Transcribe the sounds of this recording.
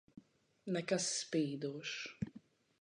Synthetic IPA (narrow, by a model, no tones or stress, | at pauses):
nɛkasːpiːd̪uɔʃ